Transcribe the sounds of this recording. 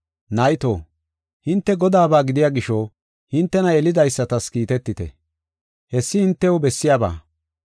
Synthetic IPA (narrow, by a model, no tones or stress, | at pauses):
nɐjt̪o̰ː | hɪnt̪ːɛɡɔd̪aːbaːɡɪd̪ɪjaːɡɪʃo | hɪnt̪ːɛnɐɛlɪd̪ɐjsːɐt̪ɐskiːt̪ɛt̪ːɪt̪ɛ̰ | hɛsːɪhɪnt̪ːɛwɔbɛsːɪjaːba̰ː